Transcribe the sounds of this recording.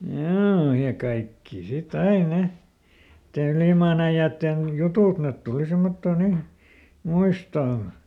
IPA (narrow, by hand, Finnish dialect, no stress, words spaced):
joː jɑ kɑikːiˑ sit ɑi ne nĭtːe yliˑmɑːn æij̆æːtːen jutuˑt net tuli simːotːoː nin̞ muistoːn̞